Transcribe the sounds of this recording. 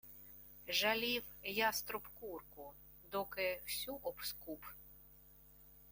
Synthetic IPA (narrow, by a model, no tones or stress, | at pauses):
ʒɐlʲiwjast̪ɾʊpkurkʊ | d̪ɔkɪwsʲuʔɔpskup